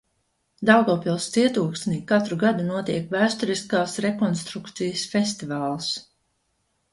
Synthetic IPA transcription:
d̪awɡɔːpilˠst̪siɛt̪uːksnikat̪ɾuɡad̪unuɔt̪iɛkvæːst̪ɔɾiskaːsɾekɔnst̪ɾukt̪sijəsfest̪ivaːlˠs

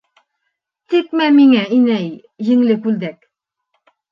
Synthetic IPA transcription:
t̪ik̚mæmiŋæʔinæjː | ɘ̆ŋlɘkʉld̪æk

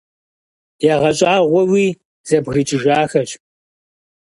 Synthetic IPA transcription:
jaʁɐt͡ʃʼaːʁʷɔwiː | z̥ɐbɣɨt͡ʃʼɪʒaːxɐt͡ʃʼ

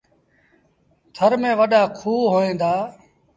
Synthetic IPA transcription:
t̪ʰəɾmẽːʋəɗaːkʰuːɦoːẽːnd̪aː

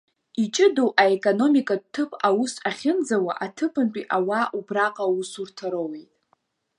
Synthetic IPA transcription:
it͡ʃʼɪdowʔaekʼono̞mikʼad̚tʰɨpʰawusaχʲɪnd͡zawa̰ʔatʰɨpʰɨnt͡pʼiʔawaʔubraqʼawusurtʰaɾowejtʼ

